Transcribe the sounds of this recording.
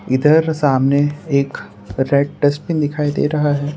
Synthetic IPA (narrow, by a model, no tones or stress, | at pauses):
ɪd̪əɾsaːmneeːk | ɾɛːʈʈəspɪ̃nd̪ɪkʰaːid̪ḛɾɐɦaɦɛː